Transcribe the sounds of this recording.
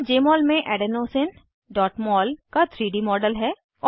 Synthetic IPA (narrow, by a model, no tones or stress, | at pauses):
d͡ʒeːmɔːlmẽʔɛːɖənoːsɪn | ɖɔːʈmɔːlkat̪ʰɾiːɖimɔːɖəlɦɛː | ɔː